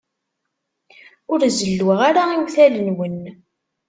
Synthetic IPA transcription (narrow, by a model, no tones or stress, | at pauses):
ʊɾzəlːwʁaɾaiwθælənwən